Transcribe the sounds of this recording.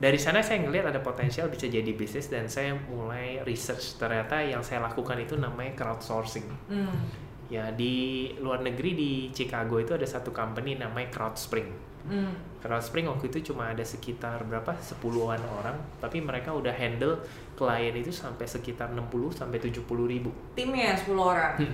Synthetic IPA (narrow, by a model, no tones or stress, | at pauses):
daɾisanasajaŋəliɦat̪adapot̪ɛnsialbisad͡ʒadibisnɪsdansajamulajrisərt͡ʃt̪ərɲat̪ajaŋsajalakukanit̪unamajkɾawt̪̚sorsɪŋ | jadiluarnəɡɾidit͡ʃikaɡoit̪uadasat̪ukampəninamajkɾawt̪spɾɪŋ | kɾawt̪spɾɪŋwak̚t̪uit̪ut͡ʃumaːdasəkit̪arbəɾapasəpuluɦanoɾaŋt̪apiməɾekaudahɦɛndəl | kəlajənit̪usampajsəkit̪arnəmpulʊhsampɛjt̪ud͡ʒʊhpuluhɾibu | t̪imjasə̥puluoɾaŋ